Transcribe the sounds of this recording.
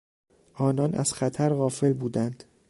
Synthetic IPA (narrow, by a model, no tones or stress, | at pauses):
ʔɒːnɒːnʔæ̰z̥xæt̪ʰæɾɣɒːfe̞lbuːd̪ænd̪̥